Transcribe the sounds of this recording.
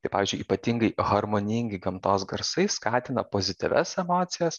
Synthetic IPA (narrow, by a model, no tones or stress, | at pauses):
t̪ɐɪpɑːʋʲiːzʲd͡ʒʊiːpɐt̪ʲiŋɡɐɪɣɐɾmonʲɪŋʲɡʲɪɡɐmt̪oːsɡɐɾsɐɪskɑːt̪ʲɪnɐpoːzʲɪt̪ʲɪ̰ʋʲɛsɛmoːt̪sʲɪjɛs